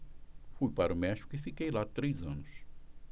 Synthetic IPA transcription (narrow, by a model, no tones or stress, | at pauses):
fujpaɾʊmɛʃi̥kʊifikejlat̪ɾejzɐ̃nʊs